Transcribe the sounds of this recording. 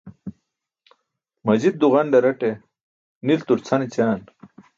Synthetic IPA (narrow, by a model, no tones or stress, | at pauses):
mɐd͡ʑid̪̚ːuʁɐnd̪ɐɾɐʈe | nilt̪uɾt͡sʰɐnit͡ɕaːn